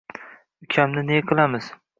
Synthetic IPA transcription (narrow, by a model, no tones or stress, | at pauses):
ʊkʲʰamnɪneqʰɨlˠamɪz̥